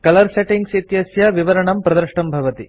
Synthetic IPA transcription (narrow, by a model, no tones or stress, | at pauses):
kɐlɐɾseʈiŋɡsit̪jɐsjɐʋiʋɐɾɐɳɐmpɾɐd̪ɐɾʂʈɐmbʱɐʋɐt̪i